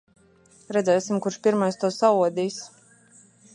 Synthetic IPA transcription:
ɾɛd̪zʲɛːsimkuɾʃpʲiɾmajst̪uɔsauɔd̪iːs

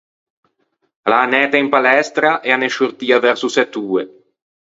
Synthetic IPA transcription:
laːnɛːt̪aimpalɛst̪ɾaʔɛaneʃurt̪iːavɛɾsusɛt̪ːuːe

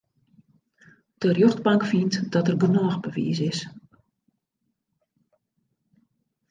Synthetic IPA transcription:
d̥ərjøxtbaŋkfintdɔtərɡənɔːxbəʋḭːsɪs

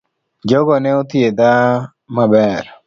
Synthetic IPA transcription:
d͡ʒoɡɔnɛot̪ied̪a | mabɛɾ

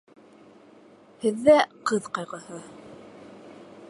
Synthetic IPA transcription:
hɘ̆ðːæqɤðqɑjʁɤ̆hɤ

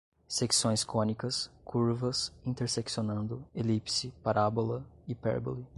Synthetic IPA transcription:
seksõj̃skõnikɐskʰuɾvɐsĩnt̪eɾseksionɐ̃nd̪ʊelipsɪpaɾabolɐɪpɛ̰ɾbo̰li

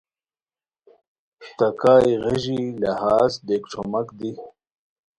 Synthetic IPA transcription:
t̪ɐkaːjʁiʑilɐhaːzd̪eːkʈ͡ʂʰomɐkd̪i

